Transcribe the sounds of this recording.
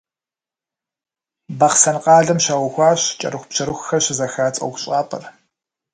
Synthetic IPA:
bɐχsɐnqʼɑːɮɐmɕaːwʊxʷɑːɕt͡ʃʼɐ̰ɾɨxʷʊpɕɐɾɨxxɐɕɪzɐxaːt͡sʼɐ̰wɡʷʊɕʼɑːpʰʼɐ̰r

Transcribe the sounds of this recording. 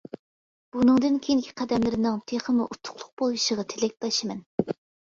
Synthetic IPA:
b̥unɨŋd̪ɨnkʲʰejiŋkʲʰi̥qʰæd̪ɛmlɪɾɪnɨŋt̪ʰeχəmuʔut̪ʰːʊ̥χlˠʊq̚bolˠiʃəʁɑt̪ʰelɛk̚ʲt̪ɑʃimɛn

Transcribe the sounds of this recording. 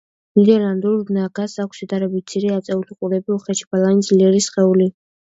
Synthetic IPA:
nid̪ɛɾland̪uɾnaɡasakʷʰsid̪aɾɛbit̪̚t̪sʰiɾɛat̪sʼɛuliqʼuɾɛbiɔχɛt͡ʃʰi̥b̥alˠanid̪zliɛɾisχɛuli

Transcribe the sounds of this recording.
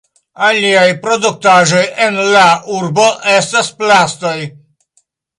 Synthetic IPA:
aliajpɾod̪ut̪ːaʒojenlaurboʔɛst̪asplast̪oj

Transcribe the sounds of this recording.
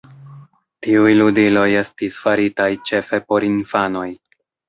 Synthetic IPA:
tiujludilo̞je̞stisfaɾitajt͡ʃe̞fe̞po̞ɾinfano̞j

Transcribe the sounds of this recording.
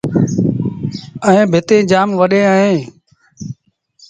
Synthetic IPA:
əẽːbʱɪt̪ẽːd͡ʒaːmʋəɗẽːəɦẽː

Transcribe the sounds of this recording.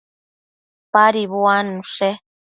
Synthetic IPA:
paɾiβwanũʂe

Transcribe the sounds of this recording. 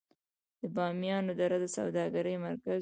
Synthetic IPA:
d̪̥əbɑmjɑnod̪aɾad̪əsawd̪ɑɡaɾəjmaɾka

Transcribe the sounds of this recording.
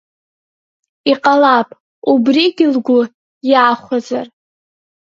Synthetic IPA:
iqʼalapʼ | ubriɡʲɪlɡʷʊ | jaːχʷazar

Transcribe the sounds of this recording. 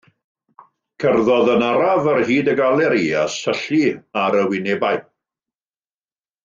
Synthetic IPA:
kʰərðɔðənaɾavərhiːdəɡalˠɛɾiasəɬiaɾəwɪnɛbaj

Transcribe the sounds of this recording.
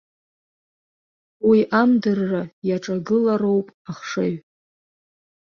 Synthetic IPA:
wiʔamdɨrːajaʈ͡ʂʼaɡɨlaɾo̞wpʼaχʂɨɥ

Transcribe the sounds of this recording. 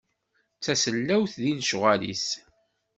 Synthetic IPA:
t͡sːæsəlːæwθðinʃʁælḭs

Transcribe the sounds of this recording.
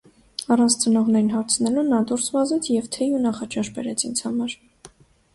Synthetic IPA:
ɑrɑnt͡sʰt͡sənɔʁnɛɾinɦɑɾt͡sʰnɛlunɑd̪uɾsvɑzɛt͡sʰjɛvt̪ʰɛjunɑχɑt͡ʃʰɑʃbɛ̰ɾɛt͡sʰint͡sʰhɑmɑɾ

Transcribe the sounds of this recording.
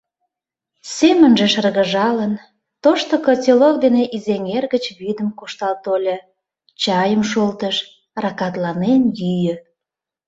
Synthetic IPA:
semənʒeʃərɣəʒɑlən | t̪oʃt̪okət͡sʲelok̚d̪eneʔizeŋerɣət͡ɕβyd̪əmkoʃt̪ɑlt̪olʲe | t͡ɕɑjəmʃolt̪əʃ | rɑkɑt̪lɑnenjyjə

